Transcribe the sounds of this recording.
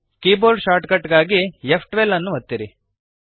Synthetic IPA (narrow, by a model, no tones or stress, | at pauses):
kiːboːɾɖʃaːɾʈkɐʈɡaːɡijepʰʈʋelːɐnːuʋɐt̪ːiɾi